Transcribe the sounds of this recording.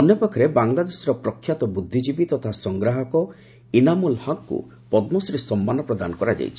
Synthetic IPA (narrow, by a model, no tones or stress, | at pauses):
ɔnjɔpɔkʰɔɾebaŋlad̪esɔɾɔpɾɔkʰːjat̪ɔbud̪ʱːid͡ʒibit̪ɔt̪ʰasɔŋɡɾaɦɔkɔ | inamulhɔkkṵ | pɔd̪mɔsɔɾesɔmːanɔpɾɔd̪anɔkɔɾad͡ʒa̰jt͡ʃʰi̥